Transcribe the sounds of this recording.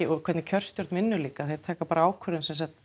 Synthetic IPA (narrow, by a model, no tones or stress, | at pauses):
ɪɔkʰvɛɾt̪nɪcʰœr̥st̪jɔɾt̪nmɪnːʏliːkaθejɾ̥t̪ʰaːkapaːɾaaːwkʰvœɾðɪnsɛnsat̪